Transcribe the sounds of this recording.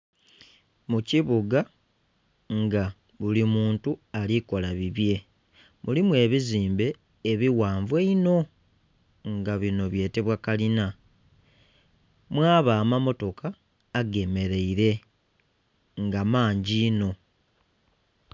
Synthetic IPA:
muciβuɡa | ŋɡa | βulimuːntualiko̞laβiβje̞ | mulimwe̞ːβiziːmbe̞ː | βiwaːɱvweino̞ | ŋɡaβino̞βje̞ːte̞βwakalina | mwaːβaːmamo̞to̞kaː | ɡe̞me̞ɾe̞iɾe̞ | ŋɡamaːɲɟiːno̞

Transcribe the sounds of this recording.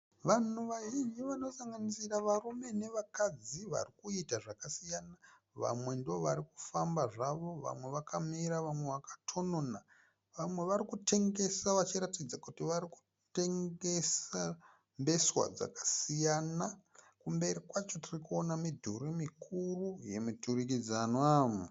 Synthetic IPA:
ʋanuʋaʒind͡ʒiʋano̞saŋɡanisiraʋarume̞ne̞ʋakad͡ziʋa̰rikuitaʐakasijana | ʋa̰mwe̞ndiʋo̞ʋaɾiku̥fambaʐaʋo̞ʋa̰mweʋakamiɾaʋamwe̞ʋakḁtʰo̞nona | ʋamwe̞ʋaɾikutʰe̞ŋɡe̞saʋat͡ʃiɾatid͡zakutiʋaɾiku̥ | te̞ŋɡe̞sa | mbe̞swa̰d͡za̰kḁsijana | kumbe̞ɾikwat͡ʃo̞tirikuonamidʱuɾimikʰuruje̞miturikid͡zanwamu

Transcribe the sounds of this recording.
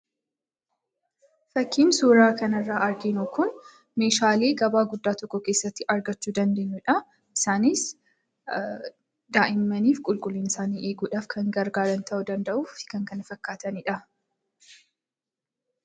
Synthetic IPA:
fɐkʰːiːnsuːɾaːkɐnɐrːaːʔɐɾɡenuːkʊn | me̞ːʃaːle̞ːɡɐbaːɡʊd̪ːaːt̪ɔkːɔke̞ːsːɐt̪ːɪʔɐɾɡɐt͡ʃːuːd̪ɐnd̪e̞ːɲːʊᶑɐ | ʔɪsaːnɪs | d̪aːʔɪmːɐniːfkʼʊlkʼʊlːiːnɪsaːniːʔeːɡuːᶑaːfkʰɐŋɡɐɾɡaːɾɐnt̪ʰɐʔʊd̪ɐnd̪ɐʔuːfɪ̥kɐŋkɐnɐfɐkːaːt̪ɐnɪᶑɐ

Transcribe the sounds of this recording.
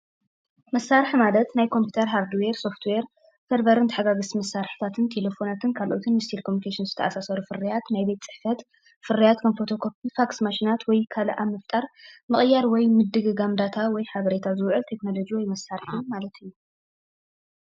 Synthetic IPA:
mɐsːaɾħmalɐt̪najkʰo̞mpʰjut̪ʰɐɾɦaɾd̪weɾso̞ft̪ʰweɾ | fɐɾbɐɾɨnt̪ʰħaɡaɡɨsmɐsːaɾħi̥t̪ʰat̪ʰɨnt̪ʰe̞le̞fo̞nat̪ʰɨnkʰalʔo̞t̪ʰɨnmɨst̪ʰilkʰomnikʰeʃinzɨt̪ʰɐʔasasɐɾufɨrijat̪najbe̞t̪t͡sʼɨ̥ħfɐt̪ | fɨɾijat̪kʰɐnfot̪ʰo̞kʰop̚ifaksmaʃinat̪wɔjkʰal̰ʔamɐft̪ʼaɾmɨχʼjaɾwɔjmɨd̪ɨɡɨɡamd̪at̪ʰawɔjħaβɐɾe̞t̪ʰazɨwʕɨlt̪ʰe̞kno̞lo̞d͡ʒiwɔjmɐsaɾħimalɐt̪ɨjːu

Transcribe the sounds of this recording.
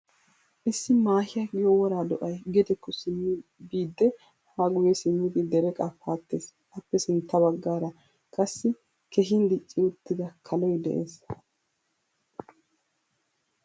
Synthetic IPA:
ʔɪsːɪmaːhɪjɐɡɪjɔwɔɾaːd̪ɔʔɐjɡɛd̪ɛkːɔsɪmːɪbiːd̪ːɛ | haɡʊjɛsɪmːɪd̪ɪd̪ɛɾɛkʼɐfaːt̪ːe̞ːs | ʔɐpːɛsɪnt̪ːɐβɐɡːaːɾɐ | kʼɐsːɪ | kɛɦɪnd̪ɪt͡ʃʼːɪʊt̪ːɪd̪ɐkʰɐlɔjd̪ɛ̰ʔeːs

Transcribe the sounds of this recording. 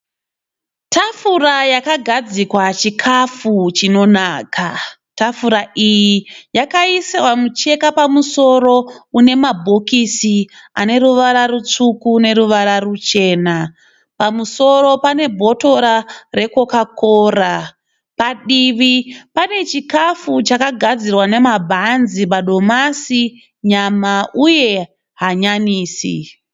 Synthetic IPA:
tʰafurajakaɡʱad͡zikwat͡ʃikʰafut͡ʃino̞naːka | tafuɾaʔijijakaisewamut͡ʃe̞kapamuso̞ɾo̞une̞mabʱo̞kisia̰ne̞ɾuʋaɾarut͡ʂukune̞ɾuʋaɾarut͡ʃe̞ːna | pamuso̞ɾo̞pane̞bʱo̞to̞ɾare̞ko̞kakoːra | paɗiʋipane̞t͡ʃikafut͡ʃakaɡʱad͡zirwane̞mabʱanziɓaɗo̞masi | ɲamauje̞ | ɦaɲaniːsḭ

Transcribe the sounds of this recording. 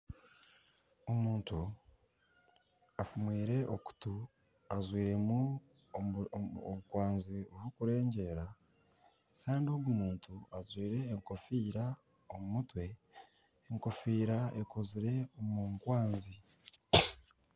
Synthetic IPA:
omuːntu | afumwiːɾe̞ʔoku̥tu | azwiːɾe̞mu | oβukwaːnzioβukuɾe̞ːɲɟe̞ɾa | kaːndioɡumuːntuazwiːɾe̞ːŋko̞fiːɾa | omumutwe̞ː | ŋko̞fiːɾaekʰo̞ziɾe̞omuːŋkwaːnzi

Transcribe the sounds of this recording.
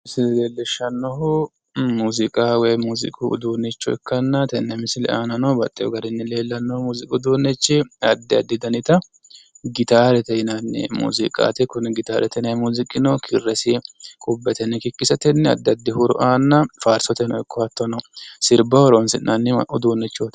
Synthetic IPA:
sɪleːlːɛʃːɐnːɔɦʊ | muːzɪkʼawɔjmuːzɪ̰kʼʊʊ̰d̪uːnːɛt͡ʃːɔɛ̰kːɐnːɐt̪ɛnːɛmɪsɪlɛ̰ʔaːnɐnɔbɐt̪ʼːɛjɔ̰ɡɐɾɪnːɪle̞ːlːɐnːɔhmuːzɪkʼʊd̪uːnːɛt͡ʃːɛɐd̪ːɪɐd̪ːɪd̪ɐnɪt̪ɐ | ɡɪt̪aːɾɛt̪ɛɪnɐnːɛ̰mṵːzɪkʼa̰ːt̪ɛkʊnɛɡɪt̪aːɾʔɛt̪ɛnɐjmuːzɪkʼːɪnokʰɪrːɛsɪkʼʊbːɛt̪ɛnːɛkɪkːɪsɐt̪ɛnːɛɐ̰d̪ːɪɐd̪ːɪhʊɾɔ̰ʔaːnːɐfaːɾsɔt̪ɛnɔɛkːɔɐt̪ːɐnɔsɪɾbɐwɔɾɔnsɪnʔɐnːɪʔʊd̪uːnːɛt͡ʃːoːt̪

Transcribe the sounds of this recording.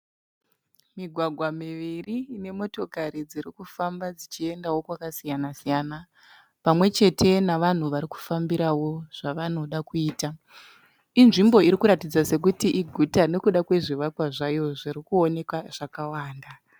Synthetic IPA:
miɡʱwaɡʱwamiʋiriːne̞mo̞to̞kaɾid͡ziɾikufambad͡zit͡ʃie̞ndawo̞kwakasijanasijana | pamwe̞t͡ʃe̞te̞naʋan̤uʋaɾiku̥fambiɾawo̞ʐ̥aʋano̞ɗakuiːta | inʐimbo̞iɾikuɾatid͡zase̞k̬utiʔiɡʱutane̞kuɗakwe̞ʐiʋakwaʐajoʐirikuo̞ne̞kwaʐ̥akawaːnda

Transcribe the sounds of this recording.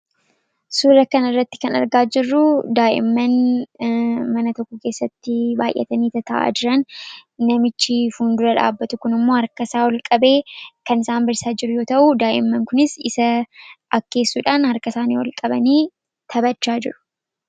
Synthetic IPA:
suːɾɐkɐnɪrːɐt̪ːɪ̥kɐnɐ̰ɾɡaːd͡ʒɪrːʊd̪aːjʔɪ̰mːɐn | mɐnɐt̪ɔkːɔke̞ːsːɐt̪ːɪbaːjʔːɛ̰t̪ɐniːt̪ɐt̪ɐʔa̰ːd͡ʒɪɾɐnːɐmɪt͡ʃːɪfuːnd̪ʊɾɐᶑa̰ːbːɐt̪ʊkʊnɪmːo̞ːhɐɾkɐsaːwɐlkʼɐbe̞ːkɐnɪsaːnbɐɾsaːd͡ʒɪɾʊjo̞ːt̪ɐʔʊd̪aːjʔɪ̰mːɐŋkʊnɪsɪsɐɐkːe̞ːsːuːᶑaːnhɐɾkɐsaːnḭːwɐ̰lkʼɐbɐniː | t̪ʰɐbɐt͡ʃːaːd͡ʒɪ̰ɾʊ̥

